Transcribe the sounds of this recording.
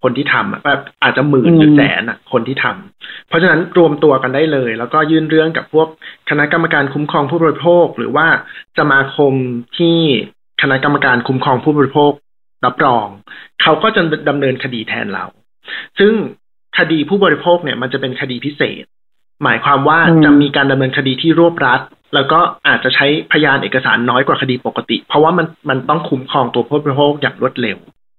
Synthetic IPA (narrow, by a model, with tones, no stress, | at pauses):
kʰo˧nt̪ʰiː˥˩t̪ʰa˧mʔa̰˨˩tɛː˨˩p̚ʔaː˨˩t̪̚t͡ɕa˨˩mɯː˨˩nɯː˨˦sɛ̰ː˩˦nʔa̰˨˩kʰo˧nt̪ʰiː˥˩t̪ʰa̰˧mpʰɔ˦˥t͡ɕʰa˧na˦˥nɾu˧əmt̪u˧ɐka˧nda˥˩jlɤː˧jlɛː˦˥wkɔː˥˩jɯː˥˩nɾɯ˥˩əŋka̰˨˩pʰu˥˩ək̚ʰːa˧na˦˥ʔka˧mːa˧kaː˧nkʰu˦˥mkʰɔː˧ŋpʰuː˥˩bɔː˧ɾi˦˥pʰoː˥˩k̚ɾɯ̰ː˩˦waː˥˩sa˧maː˧kʰo˧mt̪ʰiː˥˩ | kʰa˧na˦˥ka˧mːa˧kaː˧nkʰu˦˥mkʰɾɔː˧ŋpʰuː˥˩bɔː˧ɾi˦˥pʰoː˥˩k̚ | ɾa˦˥p̚ɾɔː˧ŋkʰa˦˥wkɔː˥˩t͡ɕa˨˩da˧mnɤː˧nkʰa˧diː˧t̪ʰɛ̰ː˧nɾa̰˧w | sɯ˥˩ŋ | kʰa˧diː˧pʰuː˥˩bɔː˧ɾi˦˥pʰoː˥˩k̚ni˥˩ɐma˧nt͡ɕa˨˩pe˧nkʰa˧diː˧pʰi˦˥sḛː˨˩t̪̚ | maː˩˦jkʰwaː˧mwaː˥˩t͡ɕa˨˩miː˧kaː˧nda˧mnɤː˧nkʰa˧diː˧t̪ʰiː˥˩ɾu˥˩əp̚ɾa˦˥t̪̚ | lɛː˦˥wkɔː˥˩ʔaː˨˩t̪̚t͡ɕa˨˩t͡ɕʰa˦˥jpʰa˧jaː˧nʔeː˨˩ka˧sa̰ː˩˦nːɔː˦˥jkwaː˨˩kʰa˧diː˧po˨˩kːa˧t̪ḭ˨˩pʰɾɔ˧˦˥waː˥˩ma˧nma˧nt̪ɔ˥˩ŋkʰu˦˥mkʰɔː˧ŋt̪u˧pʰuː˥˩bɔː˧ɾi˧˥pʰoː˥˩k̚jaː˨˩ŋɾu˥˩ət̪̚le˧w